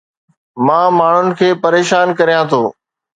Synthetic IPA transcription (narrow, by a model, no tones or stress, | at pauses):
mãːmaːɳ̤ʊnɪ̆kʰeːpɐɾeːʃaːnkɐɾijãt̪ʰoː